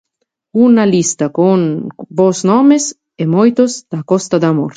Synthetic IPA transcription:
unalist̪akonbosnɔmes | emojt̪ozd̪̥akɔst̪ad̪amo̰ɾ

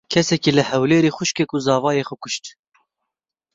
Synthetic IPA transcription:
kʰɛsɛkiːləhɛwleːɾiːxʊʃkɛkuzɑːvɑːjeːxʷʊkʰʊʃt̪

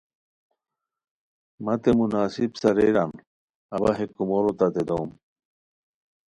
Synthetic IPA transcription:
mɐt̪emunaːsibsɐɾeɾan | ɐbɐɦekːumoɾot̪at̪ed̪owm

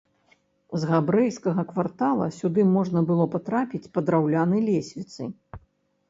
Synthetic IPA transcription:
zɣabɾɛjskɐɣɐkvart̪alˠɐ̰sʲud̪ɨmɔʐnɐbɨlˠɔpat̪ɾapʲit͡sʲpɐd̪ɾawlʲanɐjlʲesʲvʲit̪sɨ̰

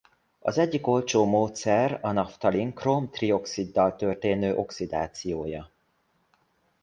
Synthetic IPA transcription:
ɒ̰zɛɟːiko̞lt͡ʃoːmoːt̪sɛrɒnɒft̪ɒliŋkromt̪rio̞ksid̪ːɒlt̪ørt̪eːnøːʔo̞ksid̪a̰ːt̪sijoːjɒ

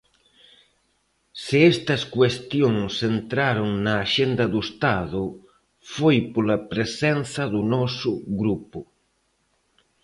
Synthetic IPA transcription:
sɪɛst̪ɐskwest̪joŋsent̪ɾaɾoŋnɐːʃend̪ɐðuest̪aðʊ | fojpolɐpɾesɛnθɐðunɔsʊɣɾupʊ

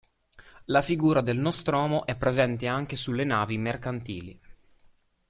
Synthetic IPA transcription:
lafiɡuːɾad̪elnɔst̪ɾoɔːmoʔɛpːɾezɛnt̪eaŋk̟esulːenaːvimerkant̪iːlḭ

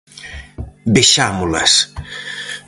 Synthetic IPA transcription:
beʃamula̰s

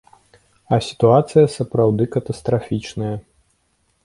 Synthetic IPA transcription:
ɐsʲi̥t̪uat̪sɨjɐsɐpɾawd̪ɨkɐt̪ɐst̪ɾafʲit͡ʂnɐjɐ

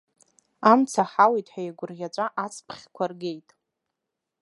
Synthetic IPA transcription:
amt͡sʰaħawejtʼħʷajaɡʷʊrʁʲat͡ʃʷʼaʔat͡sʰpʰχʲkʷʰarɡe̞jtʼ

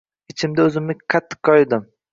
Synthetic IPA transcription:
ɪt͡ʃʰɪmd̪aɵzɪmnɪqʰɑt̪ʰːɨ̥qʰːɒjd̪ɪm

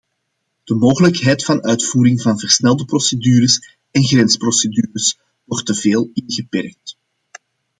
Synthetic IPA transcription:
d̥əmoːɣələkɦɛjtfɑnœɥtfuːɾɪŋvɑnvərsnɛlˠdəprosedyːɾəs | ɛnɣrɛnsprosedyːɾəs | wɔrtːəveːlɪnɣəpɛrk̚t

